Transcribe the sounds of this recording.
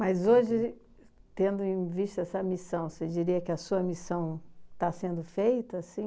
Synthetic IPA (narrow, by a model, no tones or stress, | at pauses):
mazoʒɪ | t̪ẽnd̪ʊẽj̃viʃt̪ɐɛsɐmisɐ̃w̃sed͡ʒiɾiɐkɪɐsuɐmisɐ̃w̃t̪asẽnd̪ʊfejt̪ɐːsĩ